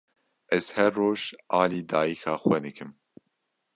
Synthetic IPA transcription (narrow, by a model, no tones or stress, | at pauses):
ʔɛz̥hɛrːoːʒɑːliːd̪aːjikʰɑːxwɛnɨkʰɨm